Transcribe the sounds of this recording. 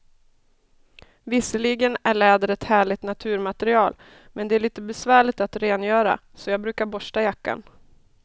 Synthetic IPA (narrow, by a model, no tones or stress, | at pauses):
vɪsəlɪɡənæɭɛːd̪əɾɛt̪hæːɭɪt̪nat̪ʰʉ̟ːɾmat̪ɛɾɪɑːl | mɛnd̪ɛæɭiːt̪əbɛsvæːɭɪt̪at̪ɾeːnjœːɾa̰ | sɔjɑːɡbɾʉ̟ːkaɾbɔʂʈajakːa̰n